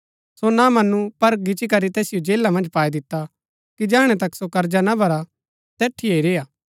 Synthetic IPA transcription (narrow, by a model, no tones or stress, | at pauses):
sonamɐnupɐɾɡɪt͡ʃikɐɾit̪ɛːsɪjod͡ʒeːlamɐ̃nd͡ʒpaːid̪ɪt̪ːa | kid͡ʒɛːɽ̃et̪ɐksokɐɾd͡ʒanabʱɐɾa | t̪ɛːʈʰːieiɾeːaː